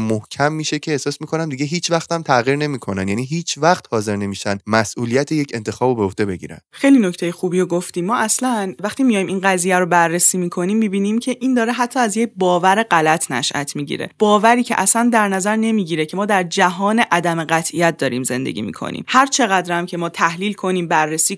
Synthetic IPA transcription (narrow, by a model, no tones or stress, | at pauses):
mːohcʰæmːiːʃecʰeːhsɒːsmiːkʰo̞næmd̪iɟeɦiːt͡ʃʰvæxt̪æmt̪ʰæʁiːɾne̞miːkʰo̞nænjæniːɦiːt͡ʃʰvæxt̪hɒːze̞ɾne̞miːʃænd̪mæsʔuːlijæt̪ʰejecʰent̪ʰe̞xɒːbobeoht̪e̞be̞ɟiːɾæ̰nd̪xejlino̞ct̪ʰejexuːbijoɡoft̪iːmːɒːæslænvæxt̪imijɒjminɢæziːjæɾobærːesiːmiːkʰo̞niːmːibiːnimcʰe̞ʔind̪ɒːɾeɦæt̪ʰːɒːæzje̞cbɒːvæɾe̞ɢælæt̪ʰnæ̰ʃʔæ̰t̪ʰmiːɟḭɾḛb̥ɒːvæɾiːcʰeʔæsænd̪æɾnæzæɾne̞miːɟiɾecʰe̞mɒːd̪æɾd͡ʒæɦɒːne̞ʔæd̪æme̞ɢæt̪ʰʔijæt̪̚d̪ɒːɾiːmze̞̰nd̪e̞̰ɟʲḭːmḭkʰo̰nḭːmhæɾt͡ʃʰe̞ɣæd̪ɾæmcʰe̞mɒːt̪ʰæhliːlkʰo̞niːmbærːesiː